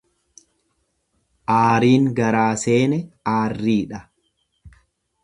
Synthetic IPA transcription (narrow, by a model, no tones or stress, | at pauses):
ʔaːɾiːŋɡɐɾaːse̞ːnɛaːrːiːᶑɐ